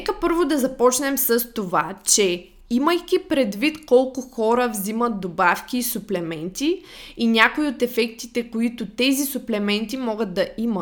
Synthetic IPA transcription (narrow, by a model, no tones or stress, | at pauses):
nɛkəpɤɾvʊd̪ɐzɐpɔt͡ʃnɛmsəst̪ovat͡ʃɛ | iməjkʲipɾɛd̪vit̪kɔlˠkʊxɔɾəvzimət̪̚d̪obafkʲiːsʊplɛmɛnt̪iinʲakoiot̪ɛfɛk̚t̪it̪ɛkoit̪ʊt̪ɛzisʊplɛmɛnt̪imɔɡəd̪̚d̪ɐʔimət̪